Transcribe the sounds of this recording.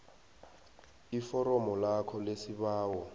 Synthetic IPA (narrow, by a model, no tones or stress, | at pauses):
ifɔɾɔmɔlakʰɔlesibaːwɔ